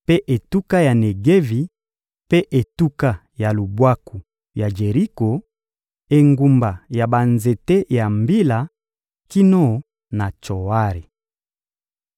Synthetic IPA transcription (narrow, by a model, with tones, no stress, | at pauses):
pe˦ʔe˨tu˦ka˦ja˨ne˨ɡe˦vi˨ | pe˦ʔe˨tu˦ka˦ | ja˨lu˨bwa˦ku˨ | ja˨d͡ʒe˨ʁi˦ko˨ | e˨ŋɡu˨mba˨ja˨ba˨nze˨te˦ja˨mbi˦la˨ | ki˦no˦˨ | na˨t͡ʃo˨wa˦ɾi˨